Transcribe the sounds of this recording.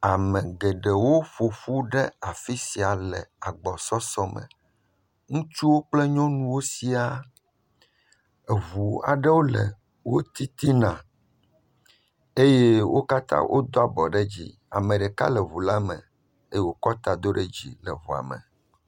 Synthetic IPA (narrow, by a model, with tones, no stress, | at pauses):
a˨mɛ̃˨ɡɛ˨ɖɛ˨wo˦ɸo˨fu˦ɖɛ˦a˨fi˦si˨a˨lɛ̰˨a˨ɡ͡bɔ˨sɔ˦sɔ˦mɛ̰̃˨ | ŋũ˦t͡ʃu˦wo˦k͡plɛ˦ɲɔ̃˦nũ˦wo˦si˦a˦ | e˨vu˨a̰˨ɖɛ˦wo˦lɛ̰˨ | wo˦t̪i˦t̪i˦nã˨ | e˦je˦wʔo˦ka˦t̪ã̰˦wʔo̰˦d̪o˦a˨bɔ˨ɖɛ˦d͡ʑḭ˦ | a̰˨mɛ̃˨ɖɛ˨ka̰˦lɛ˨βu˨la˦mɛ̰̃˨ | e˦jɛ˦wo˦kɔ˦t̪a˦d̪o˦ɖɛ˦d͡ʑḭ˦lɛ̰˨βu˨a̰˨mɛ̰˨